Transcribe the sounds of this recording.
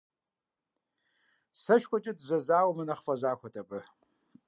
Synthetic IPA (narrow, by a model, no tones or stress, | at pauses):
sɐʃkʷʰʼɔt͡ʃʼɪdzɐzaːwmɨnɐχfɐʒʷaːkʷʰɔtʰʼɐpʼɨ